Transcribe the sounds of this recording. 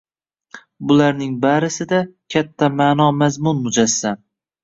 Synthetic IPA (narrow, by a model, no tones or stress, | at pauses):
bʊlaɾnɪŋbaɾɪsɪd̪akʲʰat̪ʰːamaːnɒmazmʊnmʊd͡ʒasːan